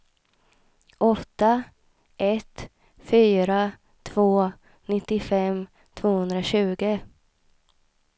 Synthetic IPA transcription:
ʔɔt̪ːa | ʔɛt̪ | fyːɾa | t̪ʰv̥oː | nɪt̪ːɪfɛm | t̪ʰvoːhɵnd̪ɾaɕʉ̟ːɡə

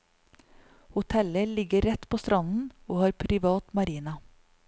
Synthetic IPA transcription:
hʊt̪ʰɛləlɪɡəɾɛt̪pʰoːst̪ɾɑnn̩oːhɑːɾpʰɾɪʋɑːt̪mɑɾiːnɑ

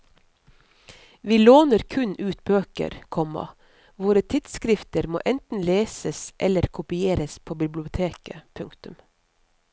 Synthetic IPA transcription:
ʋiːloːnəɾkʰʉnʉːt̪̚bøːkə̰ɾkʰɔmɑ̰ | ʋoːɾət̪ʰɪd̪skɾɪft̪əɾmo̰ːʔɛnt̪n̩leːsəsʔɛləɾkʰʊpɪeːɾəspʰoːbɪblɪʊt̪ʰeːkəpʰʉŋkt̪ʉm

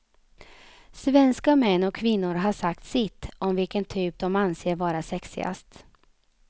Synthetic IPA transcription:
svɛnskamɛnːɔkʰːvɪnːʊɾɦaʂak̚t̪sɪt̪ːɔmvɪlkənt̪ʰyːp̚d̪ɔmanseːɾvɑːɾasɛksɪ̰a̰st̪

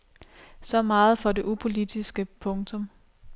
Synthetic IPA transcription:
sɒ̽mɑ̈ːð̞̩ˠfɒ̽de̝ʔupʰo̝lid̥isɡ̥əpʰɔ̽ŋt͡sʰɔ̽m

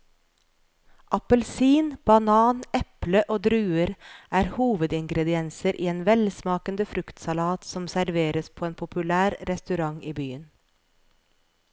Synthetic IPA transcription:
ʔɑpəlsiːnb̥ɑnɑːnɛpləʔoːd̪ɾʉːəɾʔæːɾhuːʋəd̪ɪŋɡɾɛd̪ɪɛnsəɾʔḭːeːnʋɛlsmɑːkənd̪əfɾʉkt̪sɑlɑːt̪sɔmsæɾʋeːɾəspʰoːeːnpʰʊpʉlæːɾɾɛst̪ʉɾɑŋiːbyːən

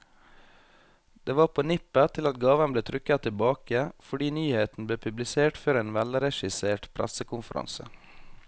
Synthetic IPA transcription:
d̪̥eːʋɑːɾpʰoːnɪpət̪ʰɪlɑt̪ɡɑːʋənbleːt̪ʰɾʏkɑt̪ʰɪlbɑːkəfɔɖiːnyːheːt̪n̩bleːpʰʉblɪseːʈføːɾeːnʋælɾɛʃɪseːʈpʰɾæ̰səkʊnfəɾʔɑ̰nsə̰

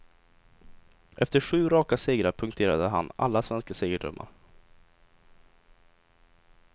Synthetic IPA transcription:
ʔɛft̪əɧʉ̟ːɾɑːkaseːɡɾaɾpʰɵŋkt̪ʰeːɾad̪əɦa̰na̰lːasvɛnskaseːɡəɖɾɵ̰mːa̰ɾ

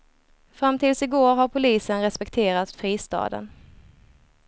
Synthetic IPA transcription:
fɾamt̪ʰɪːlsɪɡoːɾɦaɾpʰʊliːsənɾɛspɛk̚t̪ʰeːɾat̪fɾiːst̪ɑ̰ːd̪ə̰n

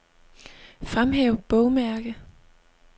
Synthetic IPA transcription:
fʁamɦeʊb̥ɔʊmæɐɡ̥ə

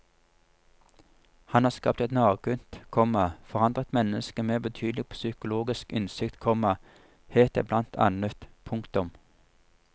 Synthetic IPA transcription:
hɑnhɑːʁskɑ̰ːp̚t̪ɛt̪nɑːʁɡʉnt̪kʰɔmɑfɔʁɑnd̪ʁət̪mɛnəskəmeːbət̪ʰyːd̪lɪɡ̚pʰoːsʏkʊloːɡɪskɪnsɪkt̪kʰɔmɑ | heːt̪ə̰blɑnt̪ʰɑ̰nət̪pʰʊŋkt̪ʊm

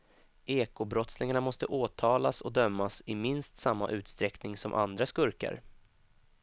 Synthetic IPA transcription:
ʔeːkʊbɾɔt̪slɪŋaɳamɔst̪əʔoːt̪ʰɑːlasɔd̪œmːasɪmɪnst̪samːa̰ʔʉ̟ːt̪st̪ɾɛknɪŋsɔmʔa̰nd̪ɾaskɵɾka̰ɾ

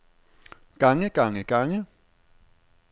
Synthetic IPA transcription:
kaŋekaŋekaŋe

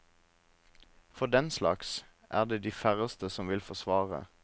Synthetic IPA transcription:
fɔd̪ɛnslɑ̰ks | ʔæːʁd̪eːd̪iːfæʁəst̪əsɔmʋɪlfɔsʋɑːʁə̰

